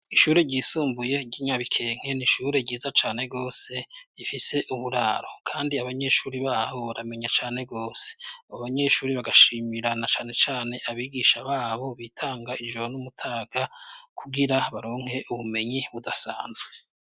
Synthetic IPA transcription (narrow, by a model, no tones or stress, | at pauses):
iʃuːɾe̞ɟiːsuːmbuje̞ɟiɲaβikʰe̞ːŋ̥he̞niʃuɾe̞ɟiːzat͡ʃaːne̞ɡo̞ːse̞jifise̞ʔuβuɾaːɾokʰaːndiaβaɲe̞ʃuːɾiβaːβo̞βaɾame̞ɲat͡ʃaːne̞ɡo̞ːse̥aβaβaɲe̞ʃuːɾiβaɡaʃiːmiɾanat͡ʃaːne̞t͡ʃaːne̞ʔaβiːɡiːʃaβaːβo̞βiːtʰaːŋɡaʔid͡ʒonumutʰaːɡ̥akʰuɡiɾaβaɾo̞ːŋ̥he̞ʔuβume̞ɲiβudasaːnzɡwe